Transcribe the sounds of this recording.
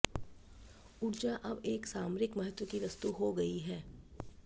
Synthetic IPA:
ʊɾd͡ʒaʔɐbeːksaːmɾɪkmɐɦət̪wəkiʋɐst̪uɦoɡɐiɦɛː

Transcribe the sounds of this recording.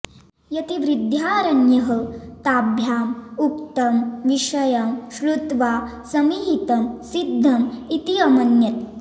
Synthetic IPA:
jɐt̪iʋɾid̪ʱjaːɾɐnjɐɦət̪abʱjaːmukt̪ɐmʋiʂɐjɐmɕlut̪ʋasɐmiɦit̪ɐmsid̪ʱːɐmit̪iɐmɐnjɐt̪

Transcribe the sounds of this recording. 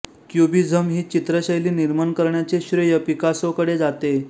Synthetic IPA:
kjubid͡zʱəmɦiːt͡ɕit̪ɾəɕəjliːniɾmaəɳkəɾɳjat͡seɕɾəjəpikasokəɽed͡zat̪e

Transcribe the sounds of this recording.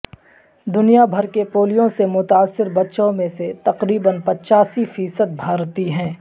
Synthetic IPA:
d̪ʊnijabʱɐɾkepoːlijõsemʊt̪aːsːɪɾbɐtːʃõmẽset̪ɐqɾiːbənpɐtːʃaːsifiːsəd̪̚bʱaːɾt̪iɦɛ̃ː

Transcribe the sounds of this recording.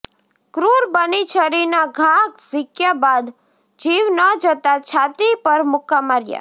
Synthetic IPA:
kɾuɾbənit͡ʃʰəɾinaɡʱakzɪkjabad̪ | d͡ʒiʋnəd͡ʒət̪at͡ʃʰat̪ipəɾmʊkːamaɾja̰

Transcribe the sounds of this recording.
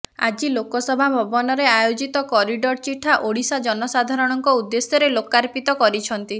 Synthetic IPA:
a̰d͡ʒilokɔsɔbʱabʱɔbɔnɔɾeajod͡ʒit̪ɔkɔɾiɖɔɾt͡ʃiʈʰːaʔoɽisad͡ʒɔnɔsad̪ʱaɾɔɽ̃ɔŋkɔud̪ːesjɔɾelokaɾpit̪ɔkɔɾit͡ʃʰɔnt̪i

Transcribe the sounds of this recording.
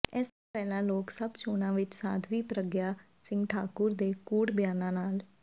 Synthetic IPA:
ɛːst̪õːpɛːlãːloːksəbt͡ʃoːnãːʋɪt͡ʃsã̰ːt̪ʰʋiːpɾəɡjaː | sɪ̃ŋɡʈʰaːkʊɾd̪eːkuːɽbjaːnãːnaːl

